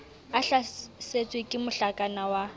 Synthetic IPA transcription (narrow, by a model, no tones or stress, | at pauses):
aɬaset͡sʼwekʼɪmʊɬakʼanawa